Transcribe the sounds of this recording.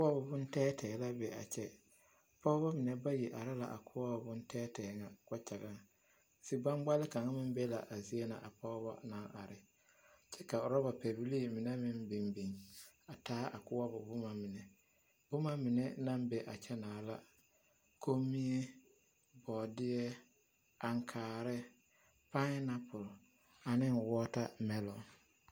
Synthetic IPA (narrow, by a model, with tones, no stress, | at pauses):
kʊ˦a˦bʊ˨bʊ˦n˦tɛː˦tɛ˨la˦bɛ˨a̰˨t͡ʃɛ˦ | pɔ˦βa˦mɪ˨nɛ˨ba˦ji˨ʔa˨ɾɪ˦la̰˨ʔa̰˨kʰʊ˦a˦bʊ˨bʊ˦n˦tʰɛː˦tɛ˨ŋa˨ka˦t͡ʃa˨ɡa˦ŋ˨ | si˨ɡ͡ba˦ŋɡ͡ba˦lɪ˦ka˨ŋa˦mɪ˦m˦bɛ˦la̰˨ʔa˨zi˦e˦na˨ʔa˨pɔ˦βa̰˦na˦ʔa˨ɾɪ˨ | t͡ʃɛ˦ka˨ʊ˨ɾɔ˦ba˨pɛ˨bi˦li˦˨mɪ˨nɛ˦mɪ˦nbi˨nbi˨ŋa˨taː˦ʔa̰˨kʊ˦wa˦bʊ˨bʊ˦ma˨mɪ˨nɛ˨ | b̥ʊ˦ma˦mɪ˨nɛ˦na˦mbɛ˨ʔa˨t͡ʃɛ˦naː˨la˦ | kʰo˦mi˦e˦ | bɔː˨dɪ˦ɛ˦ | a˨ŋkʰaː˨ɾɪ˦ | pa˦na˦pʊ˨l | a˨nɪ˦nwɔː˦ta˦mɛ˦lɔ˨